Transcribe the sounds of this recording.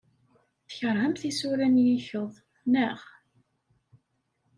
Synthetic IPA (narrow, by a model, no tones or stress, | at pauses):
θəçəɾˤhəmθisuɾænjiçəðˤ | nəʁ